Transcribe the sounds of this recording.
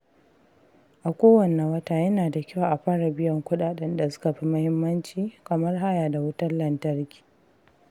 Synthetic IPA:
ʔa˨kʷoː˦wɐ˨nɛ˨wɐ˦taː˦jɐ˦naː˨da˨kʲɪ˦waː˨ʔa˨ɸaː˦ɾa˨bɪ˦jɐ˦ŋkʷʊ˦ɗaː˨ɗɛ˦nda˨sʊ̥˦ka˨ɸi˦mɐ˦hɪ˦mːɐ˦nt͡ʃiː˨kɐ˨mɐ˦rɦa˦jaː˨da˨wʊ˦tɐ˦rlɐ˨ntɐ˦rkʲi̥ː˨

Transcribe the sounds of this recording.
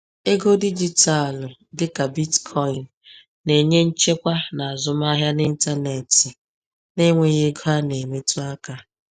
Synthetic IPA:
e˦ɡo˦di˦d͡ʒi˦ta˨ldɪ˦ka˨bi˦tkʰɔ˦ɪ˨nː | e˨ɲe˦n̩˦t͡ʃe˦kʷa˦na˨a˨zʊ˦m˦a˦ɦja˦ni˦n̩˦ta˦ne˨tɪ˨ | ne˦ŋʷe˦ɣe˦ɡo˦ɦa˦ne˨me˦tu˦a˦ka˦

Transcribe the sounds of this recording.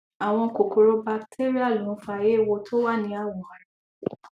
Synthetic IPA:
a˨w̃ɔ̃˧ko˨ko˨ɾo˧ba˧ktʰe˦ɾi˦a˦˨lũ˨˦fa˧˨je˦˨wo˧tʰo˦wa˦˨nĩ˧˦a˦˨wɔ˨

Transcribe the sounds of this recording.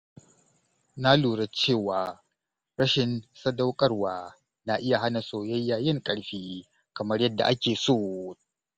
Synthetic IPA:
na˦luː˨ɽɐ˦t͡ʃeː˦˨waː˨ | ɾɐ˦ʃɪ˨nsɐ˦da˦wkʼɐ˦rwaː˨ | na˨ʔɪ˦ja˨ɦa˦na˨soː˨jɐ˦jːaː˨jɪ˦ŋkʼɐ˨ɽɸiː˦ | kɐ˨mɐ˦rjɐ˦dːa̰˨ʔa˦kʲeː˨soː˦˨

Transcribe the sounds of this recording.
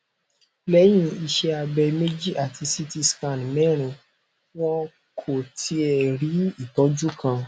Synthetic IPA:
lɛ˨˦j̃ĩ˧i˧ʃɛ˧a˧bɛ˧me˦d͡ʒi˦ʔa˨tʰi˧si˦ti˦skã˦˨n˨mɛ̃˦ɾ̃ũ˧ | wɔ̃˦ | kʰo˨tʰi˦ɛ˨ɾi˨˦i˦˨tɔ˨˦d͡ʒu˦kʰã˧

